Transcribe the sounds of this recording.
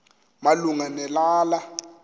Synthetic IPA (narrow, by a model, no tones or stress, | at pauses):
maluŋanɛlaːla